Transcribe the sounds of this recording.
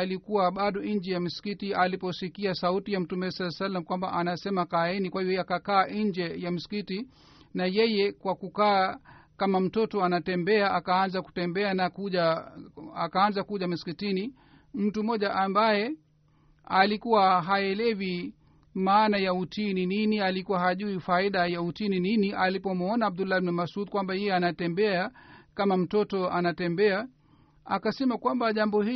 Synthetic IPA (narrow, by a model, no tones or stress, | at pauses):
likuwaɓaɗɔiɲd͡ʒɛjam̩si̥kitialipɔsikiasautijam̩tumɛɛsalasalːam̩kwambaʔanasɛmakainikwahivɔakakaːʔɲd͡ʒɛjam̩si̥kiti | najɛjɛkwakukaːkamam̩tɔtɔanatɛmbɛaʔakaanzaku̥tɛmbɛanakuʄa | akaːnzakuʄamusi̥kitini | m̩tumɔʄaʔambajɛ | alikuwaɦaɛlɛvi | maːnajautinininialikuwaɦaʄuifaiɗajautinininiʔalipɔmɔnaab̚d̪ulːaibnɛmasut̪̚kwambajɛjɛanatɛmbɛakamam̩tɔtɔanatɛmbɛa | a̰kasɛmakwambaʄambɔhi